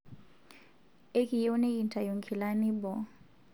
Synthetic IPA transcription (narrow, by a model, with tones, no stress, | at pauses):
e˦ki˨jo˦nɛ˦i˨nta˨ju˨ŋkʰi˨la˦ni˦bɔ˨